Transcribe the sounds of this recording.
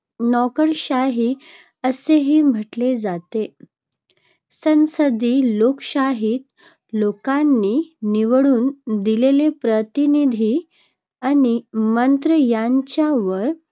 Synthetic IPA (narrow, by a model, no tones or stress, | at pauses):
nɔkəɾɕaɦiː | əseɦiːm̤əʈled͡zat̪e | sə̃nsəd̪iːlokɕaɦiːt̪ | lokanːiːiʋɭuːnd̪ilelepɾət̪inid̪ʱi | animənt̪ɾəjaɲt͡ɕjaʋəɾ